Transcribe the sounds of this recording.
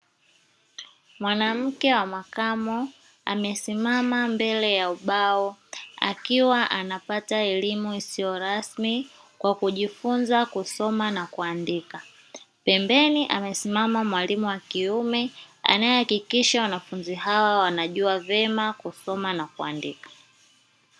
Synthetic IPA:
mwanam̩kɛwamakamɔ | a̰mɛsimamambɛlɛjauɓaɔa̰kiwaʔanapataɛlimuisijɔɾasmi | kwakuʄifunzakusɔmanakuandika | pɛmbɛniʔamɛsimamamwalimuwakiumɛa̰naɛhakikiʃawanafunziɦawawanaʄuavɛmakusɔmanakua̰ndikḁ

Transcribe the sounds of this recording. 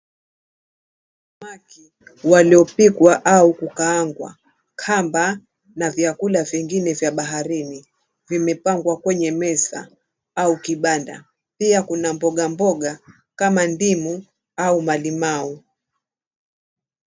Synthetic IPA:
maki | waliɔpikwaʔaukukaaŋɡwa̰ | kʰamba | navjakulaviŋɡinɛvjaɓaɦaɾini | vimɛpaŋɡwakwɛɲɛmɛsa̰ | aukiɓanda̰ | piakunambɔɠambɔɠa | kamandimu | aumalimau

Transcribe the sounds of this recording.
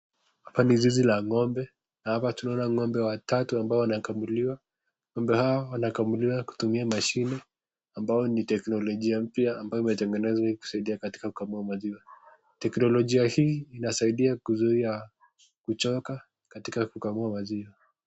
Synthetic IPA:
hhapanizizilaŋɔmbɛ | nahapatunaɔnaŋɔmbɛwatatuambaɔwanakamuliwa | ŋɔmbɛhawawanakamuliwaku̥tumiamaʃinɛ | ambaɔnitɛknɔlɔʄiam̩pjaːmbajɔimɛtɛŋɡɛnɛzwahiku̥saiɗiakati̥kakukamuamaziwa | tɛknɔlɔʄiahiːinasaiɗiakuzuia | kut͡ʃɔka | katikakukamuamaziwa

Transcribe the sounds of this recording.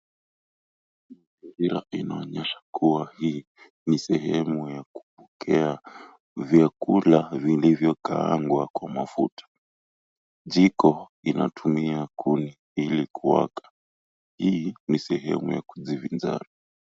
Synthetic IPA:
maziɾiɾa̰inaɔɲɛʃḁkuwahiː | nisɛɦɛmujaku̥pɔ̥kʰɛa | vjakulavilivjɔkaaŋɡwakwamafṵtʰḁ | ʄikɔ | ina̰tʰumiakʰuni | ilikuwa̰kḁ | hiːnisɛɦɛ̰mṵja̰ku̥zivind͡ʒa̰ɾa

